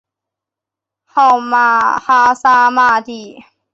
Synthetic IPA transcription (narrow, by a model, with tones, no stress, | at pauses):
hɔ˥˧˩ma˧˩ha˥sa˥ma˥˧t̪i˧˩